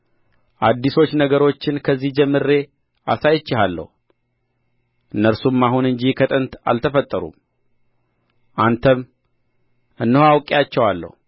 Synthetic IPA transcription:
ʔad̪ːiso̞t͡ʃːnəɡəɾo̞t͡ʃːɪnkʰəzːihd͡ʒɛmːɨɾːe̞ | ʔa̰sajt͡ʃːɪɦalːə̰hu | ʔɨnːəɾsumːaɦunɨɲd͡ʒikʰət̪ʼɨnt̪a̰lt̪ʰəfət̪ʼːəɾṵm | ʔant̪ʰəm | ʔɨnːhoawkʼejat͡ʃːɛwalːə̰hu

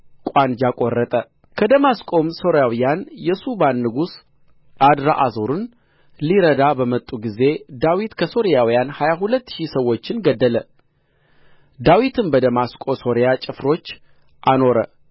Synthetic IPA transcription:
kʷʼand͡ʒakʼorːət̪ʼə | kʰəd̪əmaskʼo̞mso̞ɾjawijanjɛsubanːɨɡus | ʔad̪ɾaʔazoɾɨn | liɾəd̪abəmət̪ʼːuɡize̞d̪awit̪kʰəso̞ɾijawijanhajaɦulət̪ːʃisəwːo̞t͡ʃːɪnɡəd̪ːələ | d̪awit̪ʰɨnbəd̪əmaskʼo̞so̞ɾijat͡ʃʼɪfɾo̞t͡ʃː | ʔano̞ɾə̰

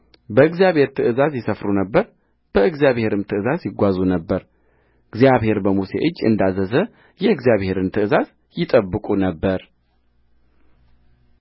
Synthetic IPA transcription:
bəɨɡzjaβhe̞ɾt̪ʰɨʔɨzazjɛsəfɾunəbːəɾ | b̥əɨɡzijaβhe̞ɾɨmt̪ʰɨɨzazjɪɡʷazunəbːəɾ | ɨɡzjaβhe̞ɾbəmuse̞̰ʔɨd͡ʒːɨ̰nd̪azəzə | jɛɨɡzjaβhe̞ɾɨnt̪ʰɨɨzaz | jɪt̪ʼəbːɨkʼunəbːəɾ

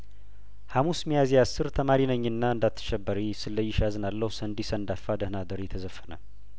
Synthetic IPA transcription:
hamusmijazijasːɨɾt̪ʰəmaɾinəɲːɨnːaɨnd̪at̪ʰːɨ̥ʃɛbːəɾisɨlːəjːɪʃazɨnalːəhusənd̪isəɨnd̪afad̪əhnad̪əɾɛt̪ʰəzəfːənə̰

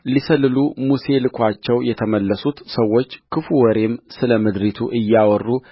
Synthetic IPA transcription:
lisəlːɨlumuse̞lɨkʰʷat͡ʃːɛwjɛt̪ʰəməlːəsut̪səwːo̞t͡ʃːkʰɨfuwɔɾe̞msɨləmɨd̪ɾit̪ʰuʔɨjːawɔrːu

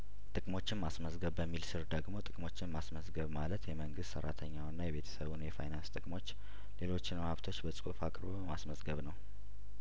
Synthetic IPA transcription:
t̪ʼɨkʼmo̞t͡ʃːɪnmasməsɡəβːəmːilsɨɾd̪əɡmo̞t̪ʼɨkʼmo̞t͡ʃːɪnmasməzɡəβmalət̪jɛməŋɡɨst̪sə̰ɾːa̰t̪ʰəɲːawnːajɛβe̞t̪ʰə̥səβunjɛfa̰jnanst̪ʼɨkʼmo̞t͡ʃː | le̞lo̞t͡ʃːɪnmhaβt̪ʰo̞t͡ʃːbəsʼufakʼɾβobəmasməzɡəβnəw

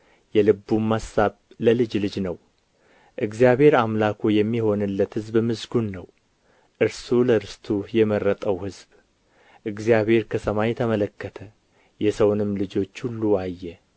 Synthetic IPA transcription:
jɛlɨbːumːasaβ | ləlɨd͡ʒlɨd͡ʒnəw | ʔɨɡzijaβhe̞ɾamlakʰujɛmːiho̞nɨlːət̪hɨzbmɨzɡunːəw | ʔɨɾsuləɾɨst̪ʰujɛmərːət̪ʼəwhɨzb | ʔɨɡzjaβhe̞ɾkʰəsəmajɛt̪ʰəmələkːət̪ʰə | jɛsəwnɨmːlɨd͡ʒo̞t͡ʃːhulːuajːɛ

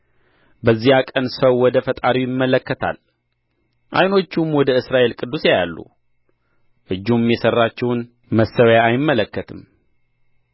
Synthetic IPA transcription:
bəzːihakʼənsəwːɔd̪əfət̪ʼaɾiwjɪmːələkːət̪ʰa̰l | ʔa̰jno̞t͡ʃːumwɔd̪əɨsɾaʔe̞lkʼɨd̪ːuseja̰lːṵ | ʔɨd͡ʒːumjɛsərːat͡ʃːɛwn | məsːəwjaːjɪmːələkːət̪ʰɨm

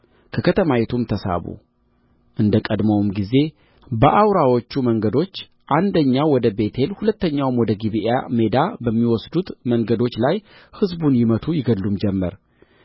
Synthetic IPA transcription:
kʰəkʰət̪ʰəmajet̪ʰumt̪ʰəsa̰βṵ | ʔɨnd̪əkʼəd̪məwmɡize̞ | bəʔawɾawo̞t͡ʃːuməŋɡəd̪o̞t͡ʃː | ʔand̪əɲːawɔd̪əbe̞t̪ʰe̞lhulət̪ːəɲːawmwɔd̪əɡiβiʔa̰me̞d̪abəmːiwɔsd̪ut̪məŋɡəd̪o̞t͡ʃːlajhɨzbunjɪmət̪ʰujɪɡəd̪lːumd͡ʒɛmːəɾ

